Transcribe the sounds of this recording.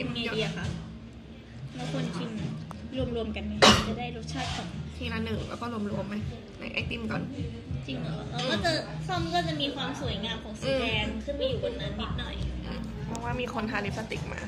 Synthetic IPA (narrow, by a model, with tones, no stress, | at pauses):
iː˧˥i˧ə˧ka˧˩ | la˧˦˥k̪ʰu˧ə˧nkʰi˧n˨ɾu˧əmɾu˧əmka˧nma˦˥˧t͡ɕa˨˩daː˥˩jɾo˦˥t̪̚t͡ɕʰaː˥˩t̪̚kɔ˨˩nk̪ʰiː˧˩naː˧˥nːɯ˨˩ŋlɛ̰˦wkɔː˥˩ɾu˧əmɾu˧əmːa˦˥j | na̰˨˦jʔa̰˧˥˩t̪i˥˩mkɔ̰ː˨˩n˧ | t͡ɕi˧ŋla˨˩la˧˩ka˧˩kɔː˥˩t͡ɕa˨˩sɔ˥˩mkɔː˥˩t͡ɕa˨˩miː˧kʰwaː˧msu˨˩˦ə˦jŋaː˧mkʰɔː˩˦ŋsdɛː˧nsʰɯː˥˩pa˧jːuː˨˩kʰo˧nːaː˨˩˦nːi˦˥˦t̪̚nɔ̰˨˩jʔɯː˧˩m | pʰɔː˧˩waː˥˩miː˧kʰo˧nt̪ʰaː˧li˦˥p̚sa˧t̪i˨˩k̚ma̰ː˧